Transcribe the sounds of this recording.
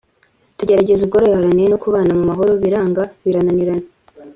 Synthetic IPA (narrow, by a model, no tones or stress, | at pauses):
tuɟe̞ɾaɟe̞zuβɡoɾojhaɾaniɾenokuβaːnamumaɦo̞ɾo̞βiɾaːŋɡaβiɾananiɾane